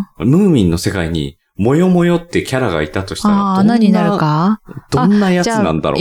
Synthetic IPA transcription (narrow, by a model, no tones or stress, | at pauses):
mɯ̟ːmʲĩnːo̞se̞kaiɲ̟ḭ | mo̞jo̞mo̞jo̞t̪ːe̞kʲaɾaɡa̰it̪at̪o̞ɕi̥taanãɲ̟inaɾɯkad̪̥õ̞nːajat͡sɨnã̰nd̪a̰ɾo̰